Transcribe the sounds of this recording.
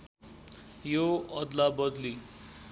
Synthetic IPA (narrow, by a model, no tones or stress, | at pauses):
joʌd̪labʌd̪li